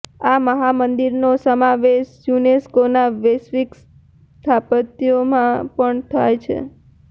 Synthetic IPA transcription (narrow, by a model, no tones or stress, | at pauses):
aməɦamənd̪iɾnosəmaʋeʃjuneskonaʋesʋiks | t̪ʰapət̪jomãpəɳt̪ʰajt͡ʃʰḛ